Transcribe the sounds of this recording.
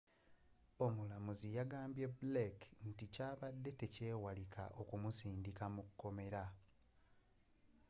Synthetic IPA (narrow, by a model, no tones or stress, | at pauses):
o̞mulamuzijaɡaːmbje̞bulekn̩ticaːβadːe̞te̞ce̞ːwalikʰa̰ʔo̞kumusiːndikamukkːo̞me̞ɾa